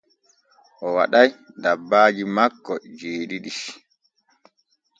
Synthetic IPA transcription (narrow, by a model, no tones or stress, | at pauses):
ʔɔwa̰ɗajdabːaːd͡ʒimakːɔd͡ʒeːɗiɗiʃ